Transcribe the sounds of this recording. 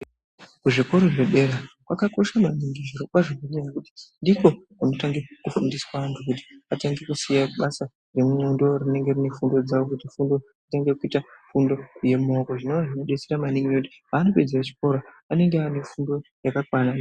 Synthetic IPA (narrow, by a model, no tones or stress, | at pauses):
kuʐiko̞ɾo̞ʐe̞ɗe̞ɾakwakako̞ʃamaniŋɡiʐiɾokaʐoɡoɲenakuti̥ndiko̞kuno̞taŋɡe̞kufundiswaantʰukuti̥ataŋɡe̞kusijaɓasa | re̞muondo̞rine̞ŋɡe̞rine̞fundo̞d͡zawo̞kutifundo̞ | ataŋɡekuitafundo̞je̞mo̞koʐinoʋaʐinoɗe̞t͡seɾamaniŋɡiouti̥ɦaːno̞pe̞d͡zerat͡ʃi̥ko̞ɾo | ane̞ŋɡeane̞fundo̞jakakwana